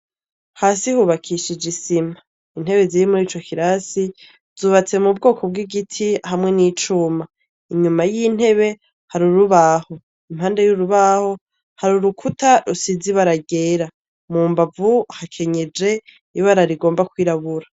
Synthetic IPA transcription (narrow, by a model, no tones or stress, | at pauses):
haːsihuβakʰiʃid͡ʒisima | in̥he̞βe̞ziɾimuɾiːt͡ʃo̞kiɾasi | z̥uːβat͡se̞mubɡo̞ːkʰo̞b̚ɡiɡitʰihamŋe̞niːt͡ʃuma | iɲumajiːn̥he̞βe̞ | haɾuɾuβaho̞ | imhaːnde̞juɾuβaho̞ | haɾuɾukʰutʰaɾusiziβaɾaɡe̞ːɾa | muːmbavuhakʰe̞ɲe̞d͡ʒe̞ | iβaɾaɾiɡo̞ːmbakwiːɾaβuɾa